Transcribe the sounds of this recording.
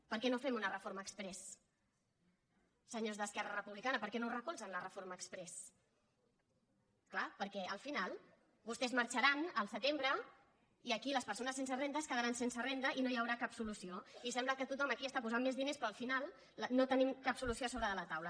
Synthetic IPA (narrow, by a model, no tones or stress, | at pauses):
pəɾkɛnofɛmunərəfoɾməːkspɾɛs | əɲozðəskɛrərəpuβlikanəpəɾkɛnorəkulˠzənlərəfoɾməːkspɾɛs | klapəɾkɛəlˠfinalˠ | bust̪ɛzməɾt͡ʃəɾanəlˠsət̪embɾə | iəkiləspəɾs̬onəsːensərend̪əskəðəɾansensərend̪əʔinojəwɾakapsulusioisɛmbləkət̪ut̪ɔməkiəst̪apuzammezðinespɾɔːlˠfinalˠ | not̪ənimkapsulusioasoβɾəðələt̪awlə